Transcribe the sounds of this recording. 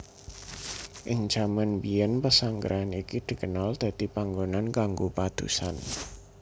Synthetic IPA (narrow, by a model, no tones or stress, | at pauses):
ʔɪŋ̥d͡ʒ̥amanbiɛnpəsaŋɡə̰ɾanikid̪̥i̤kənald̪̥a̤t̪ipaŋɡonankaŋɡopad̪̥ṵsa̰n